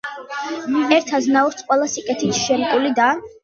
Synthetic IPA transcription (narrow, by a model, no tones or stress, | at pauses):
ɛɾt̪ʰaznauɾt̪ʰqʼwɛlˠasikʼɛt̪ʰit̪ʰʃɛmkʼilid̪a